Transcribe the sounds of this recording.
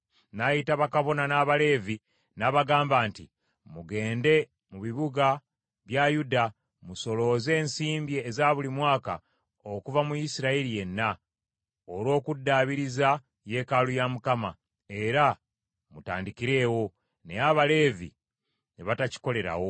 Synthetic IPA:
najitaβakaβo̞nanaːβale̞ːvi | naβaɡaːmbaːnti | muɡe̞ːnde̞ | muβiβuɡa | βjajuda | muso̞lo̞ze̞ːnsiːmbjeːzaβulimwaːka̰ | okuvamujisiɾailije̞nːa | oɾwo̞ːkudːaβiɾiza | je̞kalujamukama | e̞ɾa | muta̰ːndikiɾe̞ːwo̞ | ne̞jaβale̞ːvḭ | neβataci̥ko̞le̞ɾa̰wo̞

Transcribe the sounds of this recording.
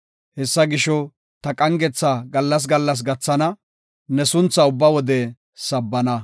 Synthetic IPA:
hɛsːɐɡɪʃɔ | t̪ɐkʼɐŋɡɛt͡sːaɡɐlːɐs̬ɡɐlːɐs̬ɡɐt͡sːɐnɐ | nɛsʊnt͡sːɐʊbːɐwɔd̪ɛ | sɐbːɐnɐ

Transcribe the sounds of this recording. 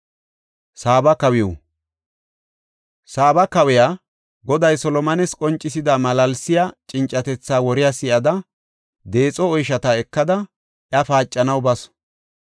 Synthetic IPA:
saːbɐkɐwɪjɔ̰ | saːbɐkɐwɪjaː | ɡɔd̪ɐjsɔlɔmɐnɛskʼɔnt͡ʃʼːɪsɪd̪amɐlɐlsɪjat͡ʃʼɪnt͡ʃʼːɐt̪ɛt͡sːaːwɔɾɪjasɪʔɐd̪ɐ | d̪e̞ːt͡sʼɔɔjʃɐt̪aɛkːɐd̪ɐ | ʔjɐfaːt͡ʃʼːɐnɐwbɐs

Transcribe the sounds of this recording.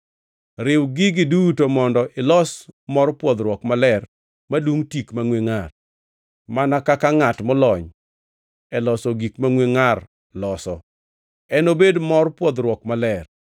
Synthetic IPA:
ɾɪwɡɪɡɪdutomɔndɔʔɪlɔsmɔrpwɔd̪ɾwɔkmalɛr | madwuŋtikmaŋweŋar | manakakaŋatmɔlɔɲ | ɛlɔsɔɡikmaŋweŋar | lɔsɔ | ɛnobedmɔrpwɔd̪ɾwɔkmalɛr

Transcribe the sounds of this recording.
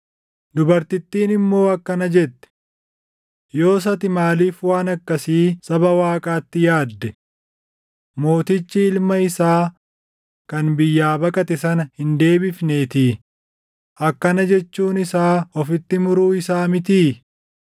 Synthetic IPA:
d̪ʊbɐɾt̪ɪt̪ːiːnɪmːo̞ːɐkːɐnɐd͡ʒɛt̪ːɛ̥ | jo̞ːs̬ɐt̪ɪmaːliːfwaːnɐkːɐsiːsɐbɐwaːkʼaːt̪ːɪjaːd̪ːɛ | mo̞ːt̪ɪt͡ʃːɪɪlmɐɪsaː | kɐnbɪjːaːbɐkʼɐt̪ɛsɐnɐhɪnd̪e̞ːbɪfneːt̪iː | ɐkːɐnɐd͡ʒɛt͡ʃːuːnɪsaːɔfɪt̪ːɪmʊɾuːɪsaːmɪt̪iː

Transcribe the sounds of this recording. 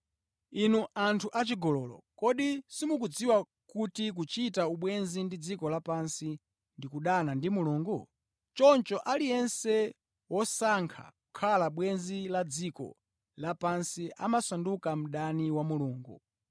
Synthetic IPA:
inuʔantʰuʔat͡ʃiɡɔlɔlɔ̰kɔɗisimuk̬ud͡ziwa | kutik̬ut͡ʃitauɓwɛnzindid͡zikɔlapansi | ndikuɗanandimuluːŋɡu | t͡ʃɔnt͡ʃɔʔalijɛnsɛ | wɔsaŋkʰa̰kukʰalaɓwɛnzilad͡zikɔ̰ | lapansiʔa̰masandukam̩ɗaniwamuluːŋɡṵ

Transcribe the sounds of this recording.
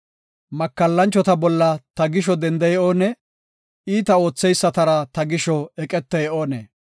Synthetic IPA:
mɐkːɐlːɐnt͡ʃːɔt̪ɐbɔlːɐt̪ɐɡɪʃɔd̪ɛnd̪ɛjɛoːnɛ | iːt̪ɐo̞ːt͡sːɛjsːɐt̪ɐɾɐt̪ɐɡɪʃɔɛkʼɛt̪ːɛjɛʔoːnḛː

